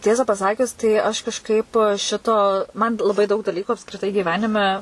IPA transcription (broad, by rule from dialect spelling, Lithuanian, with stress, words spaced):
ˈtʲiɛsɐ pɐsɐˈkʲʊs tɐɪ ɐʃ kɐʃˈkɐɪp ˈʃʲɪtoː mɐn lˠɐˈbɐɪ dɐʊk dɐˈlʲiːkuː ɐpskrʲɪˈtɐɪ ɡʲiːˈʋʲæːnʲɪmʲɛ